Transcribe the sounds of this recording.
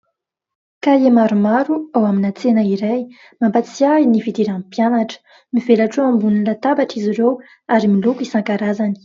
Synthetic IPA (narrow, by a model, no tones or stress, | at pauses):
kajemaɾumaɾuawaminat͡senəiɾaj | mampat͡siainivid̪iɾãmpjanaʈ͡ʂə̥ | mivelaʈ͡ʂoambunilat̪abaʈ͡ʂizirew | aɾimilukisãŋkaɾazani̥